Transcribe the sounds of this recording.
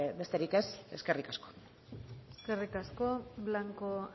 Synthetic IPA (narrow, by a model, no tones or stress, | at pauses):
be̞st̪e̞ɾike̞se̞ske̞rikasko̥ | eske̞rikasko̞βlaŋko